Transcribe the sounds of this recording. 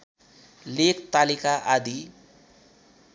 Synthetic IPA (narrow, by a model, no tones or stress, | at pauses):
lekt̪alikaʔad̪i